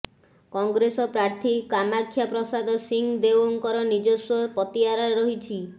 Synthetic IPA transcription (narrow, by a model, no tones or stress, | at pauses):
kɔŋɡɾesɔpɾaɾt̪ʰikamakʰːjapɾɔsad̪ɔsiŋd̪ewɔŋkɔɾɔnid͡ʒɔswɔpɔt̪iɦaɾaɾɔɦit͡ʃʰi